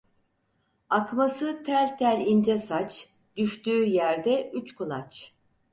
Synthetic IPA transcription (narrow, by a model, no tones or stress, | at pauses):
akmasɯt̪ʰæɾʲt̪ʰæɾʲind͡ʒɛsat͡ʃ | d̪yʃt̪yːjæɾd̪ɛʔyt͡ʃkʰulˠat͡ʃ